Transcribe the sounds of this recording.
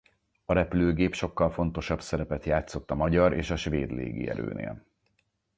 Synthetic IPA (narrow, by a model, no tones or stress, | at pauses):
ɒɾɛpyløːɡeːpʃo̞kːɒlfo̞nt̪o̞ʃɒbsɛɾɛpɛt̪jaːt̪so̞t̪ːɒmɒɟɒɾʔeːʃɒʃʋeːd̪lḛːɡḭɛ̰ɾø̰ːnḛːl